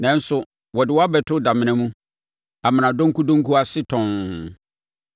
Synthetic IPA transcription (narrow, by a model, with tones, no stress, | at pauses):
nɛ̃˨n̩˦sʊ˨ | wɔ˨dɪ˨wɔ˦a˦bɛ˨tʰʊ˦da˨mɪ̃˨nɛ̃˦mũ˦ | a˨mɪ̃˨nã˨dɔ̃˦ŋku˦dɔ̃˦ŋ˦kʰu˦a˦sɪ˦tʰɔ̃˨n